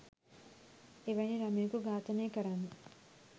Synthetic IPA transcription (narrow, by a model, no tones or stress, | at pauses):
iʋɐjniɾɐmiːkuɡaːt̪ɐneːkɐɾani